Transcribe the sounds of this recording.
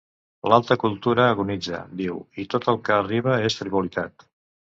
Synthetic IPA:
lalˠt̪əkulˠt̪uɾəːɣunid͡zə̰d̪iwit̪ot̪əlˠkəːriβ̞əest̪ɾiβulit̪at̪

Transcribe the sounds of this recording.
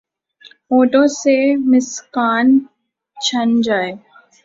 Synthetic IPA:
oːʈõsemɪskaːn | t͡ʃʰɐnd͡ʒaːeː

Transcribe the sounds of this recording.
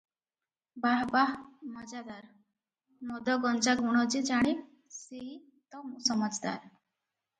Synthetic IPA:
baɦbaɦmɔd͡ʒad̪aɾ | mɔd̪ɔɡɔnd͡zaɡʱuɽ̃ɔd͡ʑid͡ʒaɽ̃i | seɦi | t̪ɔmusɔməd͡ʒd̪a̰ɾ

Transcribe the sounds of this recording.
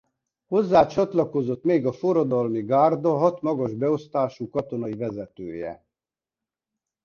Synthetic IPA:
ho̞zːaːt͡ʃɒt̪lɒko̞zo̞t̪meːɡɒfoɾɒd̪ɒlmiɡaːrd̪ɒɦɒt̪mɒɡɒʒbɛo̞st̪aːʃuːkɒt̪o̞nɒivɛzɛt̪ø̰ːjɛ̰

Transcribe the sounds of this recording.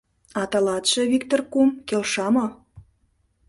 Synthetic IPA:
ɑt̪ɑlɑt̪ʃĕβik̚t̪orkumkelʃɑmo

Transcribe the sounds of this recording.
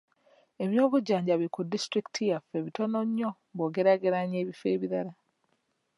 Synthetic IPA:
e̞βjo̞ːβuɟːaːɲɟaβiikudistɾiktʰijafe̞βito̞no̞ɲːo̞ | βo̞ːɡe̞ɾaɡe̞ɾaɲe̞ːβife̞̰ːβiɾaɾa

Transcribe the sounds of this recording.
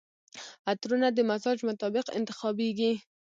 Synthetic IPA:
at̪ɾunad̪əmasɑd͡ʒmʊt̪ɑbɪqɪ̰nt̪ɪ̥xɑbeɡi

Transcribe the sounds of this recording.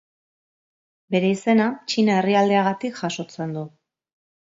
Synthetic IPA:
be̞ɾe̞ise̞nat͡ʃinae̞riald̪eaɣat̪ikʝaʃo̞t͡se̞nd̪u

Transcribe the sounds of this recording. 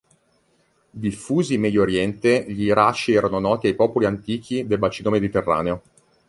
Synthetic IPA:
d̪ifːuːzimɛd̪jooɾjɛnt̪eʎiɾat͡ʃːiɛːɾanonɔːt̪iajpɔːpoliant̪iːk̟ʰid̪elbat͡ʃiːnomed̪it̪erːa̰ːneo

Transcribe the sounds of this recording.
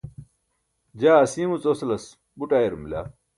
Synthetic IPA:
d͡ʑaːɐsiːmut͡soslɐs | buʈaːjeɾumila̰ː

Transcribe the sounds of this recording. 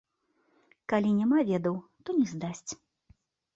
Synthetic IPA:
kalʲinʲamavʲɛd̪ɐwt̪ɔnʲɛzd̪asʲt͡sʲ

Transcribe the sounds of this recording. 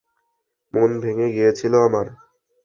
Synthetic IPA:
monbʱeŋeɡijet͡ɕʰiloamaɾ

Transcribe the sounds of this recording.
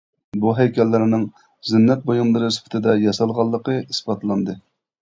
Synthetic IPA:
buɦɛjkʲɛlːɪɾnɨŋ | zɪnːɛt̪̚bojunlˠɨɾɨspʰɪ̥t̪ʰɪd̪ɛjɑsɑlˠʁɑlˠːəqəisbɑt̪lˠɑnd̪ɨ

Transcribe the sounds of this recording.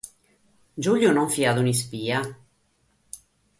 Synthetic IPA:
d͡ʒuljonɔɱfiad̪unispiːa

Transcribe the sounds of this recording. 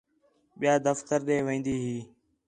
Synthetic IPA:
ɓɪjaːd̪əft̪əɾɗeːʋẽːnd̪iːɦiː

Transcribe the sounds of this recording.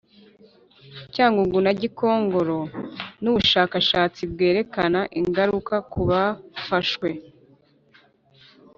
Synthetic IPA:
caːŋɡuɡunaɟiko̞ːŋɡo̞ɾo̞nuβuʃaːkaʃaːt͡sib̚ɡe̞ːɾe̞kanaʔiŋɡaɾukakuβafaʃwe̞

